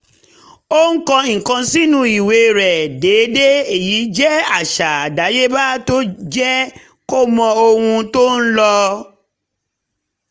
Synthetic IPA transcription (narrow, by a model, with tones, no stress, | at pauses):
o˦ŋ̩˦kɔ̃˧˨ŋ̩˨kã˧si˦nũ˧i˨we˨˧ɾɛ˨de˨˦de˦e˦˨ji˨˦d͡ʒɛ˦a˦˨ʃa˨a˨da˨˦je˦ba˦to˦d͡ʒɛ˦ | ko˦mɔ̃˧o˧hũ˧to˦n̩˦lɔ˧